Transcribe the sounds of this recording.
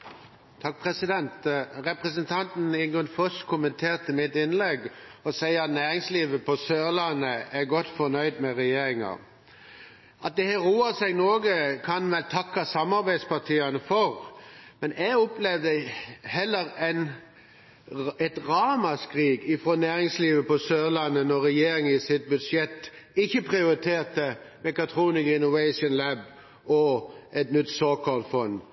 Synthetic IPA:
t̪ʰɑk̚pʰʁɛsɪd̪ɛnt̪ʁɛpʁɛsənt̪ʰɑnt̪n̩ɪŋɡʁʉnfœskʰʊmənt̪ʰeːʁt̪əmɪt̪ɪnlɛɡɔsæɪɑt̪næːɾɪŋsliːʋəpʰɔsøːʁlɑnːəæɡɔt̪fɔnœʏd̪mɛʁɛjeːɾɪŋɑ̰ | ʔɑt̪̚d̪ɛhæʁuːəsɛɡnoːɡəkʰɑnʋɛlt̪ʰɑkːɑsɑmɑɾbæɪd̪spɑʁt̪ʰiːɑnəfɔʁmɛnæɡɔplɛʋd̪əhɛlːəɾɛɪn | ɛt̪ʁɑːmɑskʁiːɡɪfɾoːnæːɾɪŋsliːʋəpɔsøːlɑnːənɔʁɛjeːɾɪŋɪsɪt̪̚bʉd̪ʂjɛt̪ː | ɪçːəpʰʁɪʊɾɪt̪ʰeːt̪əmɛkɑt̪ʰɾuːnɪkɪnʊʋæɪʂʊnlæb | ʔɔʔɛt̪nʏt̪ːsoːkɑlt̪fɔnd̪

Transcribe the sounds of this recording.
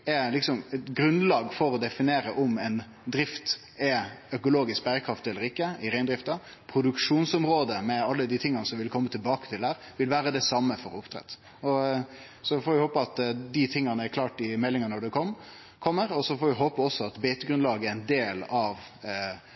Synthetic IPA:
ɛlɪksɔmɛt̪ɡɾʉnlɑːɡfɔɾɔd̪ɛfɪneːɾəʔʊmɛɪn | d̪ɾɪft̪ | ɛœkʊloːɡɪsk̚bæɾəkʰɾɑft̪ɛlːəɾɪkːəɪɾæɪnd̪ɾɪft̪ɑ | pʰɾʊd̪ʉkʂuːnsɔmɾoːd̪əmɛɑlːəd̪ɪt̪ʰɪŋːɑnəsɔmʋɪlkʰɔmːət̪ʰɪlbɑːkə̥t̪ʰɪld̪æːɾʋɪlʋæːɾəd̪ɛsɑmːəfɔɾʊpt̪ʰɾɛ̰t̪ː | ɔ | sɔfɔːɾʋɪhoːpəɑt̪d̪ɪt̪ʰɪŋːɑnəɛɾkʰlɑːʈɪmɛlːɪŋɑnɔɖɛkʰɔ | kʰɔmːəɾɔsɔfɔːɾʋɪɦoːpəɔsːɔɑt̪beɪt̪əɡɾʉnlɑːɡəɛɾɛɪnd̪eːlɑʋ

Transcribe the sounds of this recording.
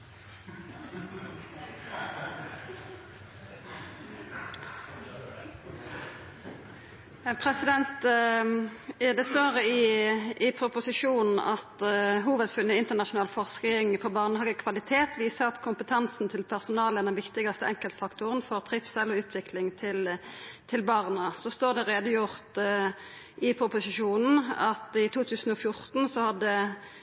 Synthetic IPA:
pʰʁɛsɪd̪ɛnt̪ | d̪ɛst̪oːʁəɪɪpʰʁʊpʊsɪʂuːnn̩ɑt̪ɦuːʋəd̪fʉnːəɪnt̪əʁnɑʃʊnɑːlfɔʁskɪŋpʰɔbɑʁnəhɑːɡəkʰʋɑlɪt̪ʰeːt̪ʰʋiːsəʁɑt̪kʰʊmpət̪ʰɑnsn̩t̪ʰɪlpʰæʁsʊnɑːləæːʁd̪ɛnʋɪkt̪ɪɡɑst̪əɛŋkəlt̪fɑkt̪ʰʊʁənfɔʁt̪ʰʁɪfsɛlːɔʉːt̪ʰʋɪkʰlɪŋt̪ʰɪlt̪ʰɪlbɑːʁnəsɔst̪oːʁd̪ɛʁeːd̪ʊjʊʁt̪ | ʔɪpʰɾʊpʊsɪʂuːnn̩ɑt̪ɪt̪ʰuːt̪ʰʉːsn̩ɔfjʊʁt̪n̩sɔhɑd̪ɛ

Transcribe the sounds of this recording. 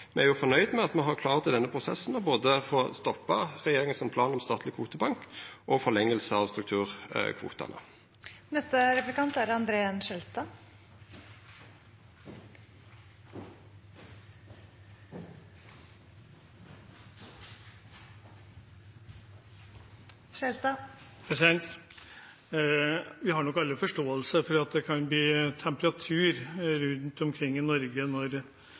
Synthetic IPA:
mɛæɾjʊːfɔnœʏd̪mɛɑt̪mɛɦɑkʰlɑːʁt̪ɪd̪ɛnːəpʰʁʊsɛ̰sn̩ɔboːd̪əfoːst̪ɔpːɑʁɛjeːɾɪŋənsɔmpʰlɑːnɔmst̪ɑːt̪lɪkʰʋuːt̪əbɑŋkʔɔfɔlɛŋːəlsəɑʋst̪ɾʉk̚t̪ʰʉːʁ̰kʰʋṵːt̪ɑ̰nə̰ | nɛst̪əɾɛplɪkʰɑnt̪æɾɑnd̪ɾeːɑnʃɛlt̪ɑ | ʃɛlt̪ɑpɾɛsɪɛnt̪ | ʋɪɦɑɳɔkːɑlːəfɔʂʈoːəlsəfɔɾɑt̪d̪ɛkʰɑnbliːt̪ʰɛmpəɾɑt̪ʰʉːɾɾʉnt̪ɔmkʰɾɪŋːɪnɔɾɡənɔɾ

